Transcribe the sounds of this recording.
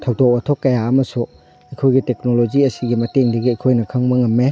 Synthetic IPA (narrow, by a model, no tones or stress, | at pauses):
tʰɐwdok̚otʰokːɐjaɐmɐsu | ɐjkʰojɡitek̚nolod͡ʒiɐsiɡimɐteŋdɐɡiɐjkʰojnɐkʰɐŋbɐŋɐmːe